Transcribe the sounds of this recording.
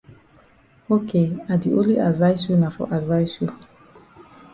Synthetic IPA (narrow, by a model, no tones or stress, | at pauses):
okeadiʔõnliʔadvajsjunafɔ̰ʔadvajsju